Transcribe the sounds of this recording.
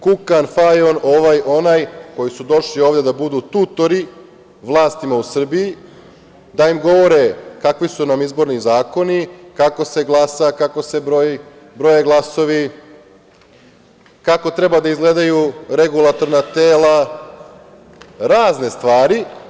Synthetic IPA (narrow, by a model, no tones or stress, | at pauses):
kukanfajono̞ʋajo̞najko̞jisud̪o̞ʃlio̞ːʋd̪e̞d̪abud̪ut̪ut̪o̞ɾi | ʋlˠaːst̪imausr̩biji | d̪aimɡo̞ʋo̞ɾekakʋisunamizbo̞ɾnizaːko̞nikako̞se̞ɡlˠasakako̞sebɾo | bɾo̞jeɡlˠaso̞ʋi | kako̞t̪ɾebad̪aizɡle̞d̪ajuɾeɡulˠat̪o̞ɾnat̪eːla | ɾaːzne̞st̪ʋaːɾi